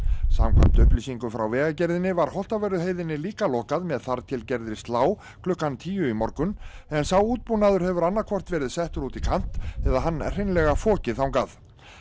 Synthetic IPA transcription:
sa̰mkʰa̰m̥t̪ʏhplisiŋkʏmfɾawvɛːɣacɛɾðɪnɪvaɾ̥hɔl̥t̪avɛɾʏɦeːjðɪnːɪliːkalɔkaðmɛðθaɾt̪ʰɪlcɛɾðɪst̪laːw | kʰlʏhkːant̪ʰiːjʏimɔɾkʏnɛnsawuːt̪̚punaðʏɾ̥hɛvʏɾanːaɾkʰvɔr̥t̪vɛːɾɪðsɛht̪ʏɾuːt̪ikʰan̥t̪ɛðaɦanːɛr̥ɪjnlɛɣafɔːcɪθawŋkað

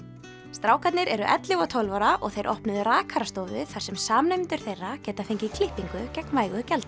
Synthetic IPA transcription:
st̪ɾaːwkʰat̪nɪɾɛɾʏʔɛ̰t̪lɪɣɔt̪ʰowlvɔɾaʔɔɣθejɾʔɔ̰hpnʏðʏraːkʰaɾast̪owvʏɪ̰θḁsɛmsaːmnemɪnt̪ʏɾ̥θejrːacɛːt̪afejɲcɪikʰlɪhpiŋkʏcɛknvaːjɣʏcɛlt̪

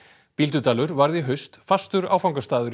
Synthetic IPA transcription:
pilt̪ʏt̪ʰaːlʏɾvaɾðɪɦœɥst̪fast̪ʏɾa̰ːwfawŋkast̪aːðʏɾ

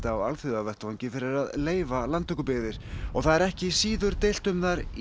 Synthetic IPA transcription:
t̪aːwalθʏðavɛht̪vawɲcɪfɪɾɪɾaðleːjvalant̪ʰːʏkːʏpɪɣðɪɾ̥ɔɣθaðɛɾɛhcɪisiːðʏɾ̥t̪ejl̥t̪ʏmðaɾ

